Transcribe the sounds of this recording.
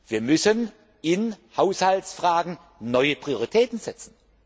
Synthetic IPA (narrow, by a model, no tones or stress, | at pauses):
v̥iːɐmʏsən | ɪnhaʊshaltsfʁ̥aːɡŋ̩ | nɔʏəpʁ̥ioʁitʰɛːtn̩zɛt͡sn̩